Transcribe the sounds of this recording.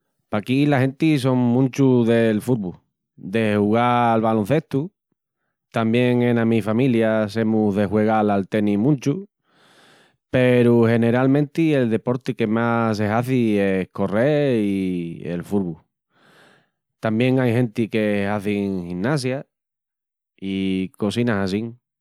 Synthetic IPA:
pakilaɦe̞nt̪iso̞ŋmũnt͡ʃuðe̞lfuɾβu | d̪e̞huɣalβalonθe̞ht̪u | t̪ambje̞ŋenamifamiljase̞muðe̞ɦwe̞ɣalalt̪e̞nimũnt͡ʃu | pe̞ɾuhe̞ne̞ɾalmẽnt̪ie̞ld̪e̞po̞ɾt̪ike̞mas̬eɦaθieko̞reiḛlfuɾβu | t̪ambje̞ŋajhẽ̞nt̪ikehaθiŋhinːas̬ja | iko̞sinasasiŋ

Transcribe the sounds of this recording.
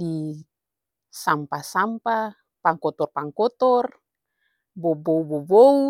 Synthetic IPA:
di | sampasampa | paŋkɔt̪ɔrpaŋkɔt̪ɔr | bɔboubɔbou

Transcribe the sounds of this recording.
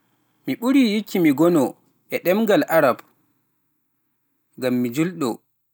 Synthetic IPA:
miɓuɾiːjikːimiɡɔnɔ | ʔɛɗɛmɡalʔaɾab | ɡamːid͡ʒulɗɔ

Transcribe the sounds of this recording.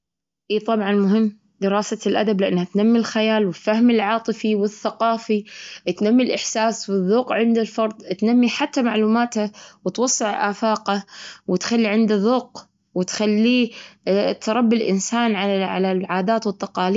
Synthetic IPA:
ʔiːt̪ˤɑbʕɑnmʊɦɪmː | d̪ɪɾɑːsalʔad̪ablɪʔanːhat̪namːilxajaːlwɪfahmɪlʕɑːt̪ˤɨfiwɪθːaqɑːfit̪namːilʔɪħsaːswɪðːuːqʕɪnd̪alfɑɾˤðˤt̪namːiħat̪ːamaʕluːmaːt̪hawɪt̪wɑsˤːɨʕʔaːfaːqawɪt̪xalːiʕɪnd̪aðuːq̚ | wɪt̪xalːi | t̪ʰɾˤɑbːɪlʔɪ̰nsaːnʕaaʕa̰lalʕaːd̪aːt̪wɨt̪ːɑqɑːli

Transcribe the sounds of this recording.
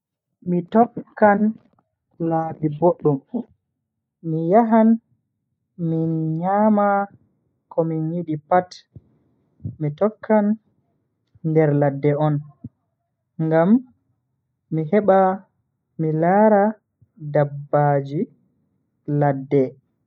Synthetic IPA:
mitɔkːan | laːbiboɗːum | mijaɦan | minɲaːma | kʰɔminjiɗipat | mitɔkʰːan | dɛɾladːɛɔn | ŋɡam | iɦɛɓa | milaːɾa | dabːad͡ʒi | ladːɛ

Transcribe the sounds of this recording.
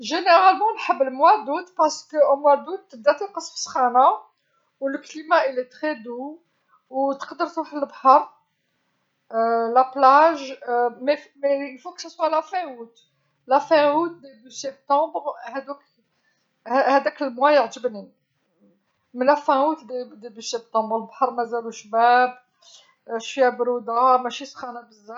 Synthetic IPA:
ʒeneʁalmɑ̃lħəbːəlmwæd̪ud̪pɑʁsə̥kəmwæd̪ud̪̚əb̚d̪æt̪əlqəsˤfə̥sxana | wləklimaʔilet̪χɛd̪u | wt̪ə̥qd̪əɾt̪ɾuħləbhɑɾ | læplaʒmefmeəfoksæswalæfæ̃wut̪ | læfæ̃wut̪̚d̪ebysɛb̚t̪ɑ̃bʁhæd̪uk | hhæd̪ækəlmwæjəʕt̪əbni | mlæfæ̃wut̪d̪ed̪ebisɛb̚t̪ɑ̃bʁəlbħɑɾˤmæzæluʃbæb | ʃijæbɾud̪amæʃisxɑnæbəzːæ

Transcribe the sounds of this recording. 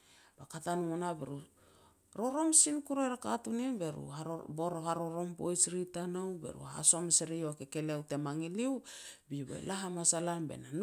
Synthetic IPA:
b̥akatanuonabḛɾu | ɾo̞ɾo̞msinkuɾeɾaka̰tuninbe̞ɾṵaboɾohaɾo̞ɾo̞mpo̰jsɾitanowbe̞̰ɾṵɦa̰so̞meseɾijoakeke̞leawte̞maŋiliwbibḛlaɦamasalanbe̞̰nan

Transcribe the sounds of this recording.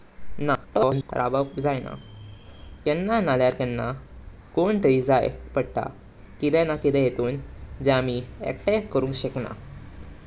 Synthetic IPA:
nakʈɔn̰ɾʔa̰ʋəkd͡zajna̰ | t̪ɛnːanaljaɾkɛnːa | koɳt̪əid͡zajpəɽt̪a̰ | kid̪ɛnakit̪ɛjet̪uːnd͡ʑamiɛ̰kʈɛkəɾũːŋkɕɛkna̰

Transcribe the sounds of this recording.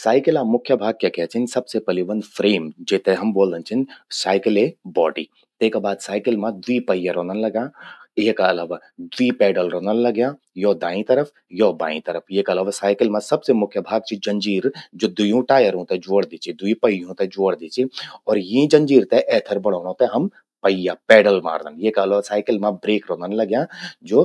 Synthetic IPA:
saːɪkɪlãːmʊkʰjəbʱaːɡ̚kjekɛːt͡ʃʰɪnsɐbsepɐliʋɐnfʰɾeːmd͡ʒeːt̪eɦɐmboːld̪ə̃nt͡ʃʰɪnsaːɪkɪlebɔːʈḭː | t̪eːkabaːd̪saːɪkɪlmãd̪wiːpɐjaɾõːnənlɐɡjãːeːkɐlaːʋaː | d̪wiːpɛːɖəlɾõːnənlɐɡjãː | joːd̪ãːĩt̪ɐɾəpʰ | jɔːbaːḭ̃t̪əɾəpʰjeːkɐlaːʋasaːɪkɪlmãsɐbsemʊkʰjəbʱaːɡ̚t͡ʃʰid͡ʒɐ̃ɲd͡ʒiːɾd͡ʒoːd̪ʊjũʈaːjəɾɦũt̪ed͡ʒoːɽd̪iːt͡ʃʰid̪ʊipəjɦũt̪ɛ̃d͡ʒoːɽd̪iːt͡ʃʰiɔːɾjĩd͡ʒə̃ɲd͡ʒiːɾt̪ɛʔɛːt̪ʰəɾbəɽ̤̃oːnõt̪eɦɐm | pəjapɛːɖəlma̰ːɾd̪ə̰njeːkɐlaːʋasaːɪkɪlmãbɾeːkɾoːnənlɐɡjãːd͡ʒoː

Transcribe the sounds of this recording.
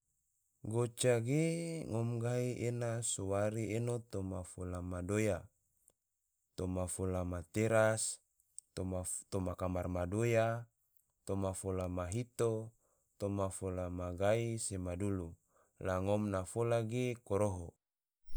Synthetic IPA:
ɡot͡ʃaɡeŋomɡaiʔenasowaɾienot̪omafolamadoja | t̪omafolamat̪eɾas | oat̪omakamarmadoja | t̪omafolamaɦit̪o | t̪omafolamaɡaisemadulu | laŋomnafolaɡekoɾoɦo

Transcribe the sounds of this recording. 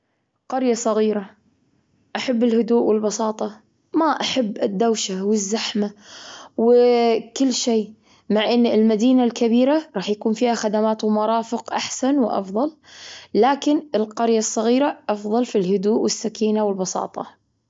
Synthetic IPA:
qɑɾjasˤɑɣiːɾa | ʔaħabːɪlhʊd̪uːʔwɪlbɑsˤɑːt̪ˤɑ | maʔaħabːɪd̪ːawʃawɪzːaħmawɪkɪlːʃeː | maʕʔɪnːɪlmad̪iːnalkabiːɾaɾˤɑːħjakuːnfiːhaxad̪amaːt̪wmɑɾˤɑːfɪqʔaħsanwʔɑ̰fðˤɑl | laːkɪnɪlqɑɾjasˤːɑɣiːɾaʔɑfðˤɑlfilhʊd̪uːʔwʔɪsːakiːnawɪlbɑsˤɑ̰ːt̪ˤɑ̰

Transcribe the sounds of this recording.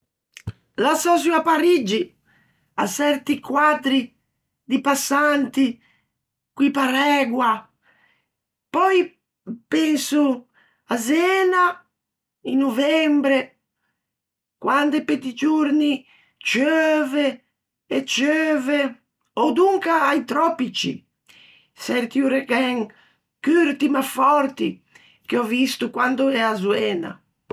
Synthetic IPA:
lasɔzuapːaɾid͡ʒi | asɛɾt̪ikwad̪ɾi | d̪ipasːant̪i | kwipaɾɛɡwa | pɔj | pɛnsu | azɛːna | inːuvɛmbɾɛ | kwand̪eped̪id͡ʒuɾni | t͡ʃøːveː | t͡ʃøːve | ɔd̪uŋkaːjt̪ɾɔpit͡ʃḭ | sɛɾt̪iuɾekɛŋ | kyɾt̪imafɔɾt̪ḭ | k̟eɔvist̪ukwand̪oɛazuɛːna̰

